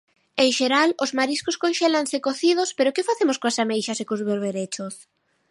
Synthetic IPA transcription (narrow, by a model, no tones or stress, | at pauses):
eŋʃeɾalozmaɾiskoskonʃelansekoθið̞ʊspeɾʊkɪfaθemʊskoasamejʃɐsekozβeɾβeɾet͡ʃʊs